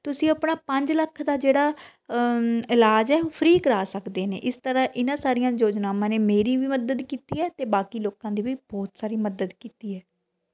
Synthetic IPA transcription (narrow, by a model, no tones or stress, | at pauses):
t̪ʊsĩːəpɳaːpə̃ɲd͡ʒləkʰd̪aːd͡ʒeːɽaː | ɪlaːd͡ʒɛːpʰəɾiːkəɾaːsəkd̪eːnḛːʔɪst̪əɾãːʔɪnãːsaːɾɪjãːjoːd͡ʒnaːmãːneːmeːɾiːʋiːməd̪əd̪kiːt̪iːɛːt̪eːbaːkiːloːkãːd̪iːʋiːb̥ɔːt̪saːɾiːməd̪əd̪kiːt̪iːɛː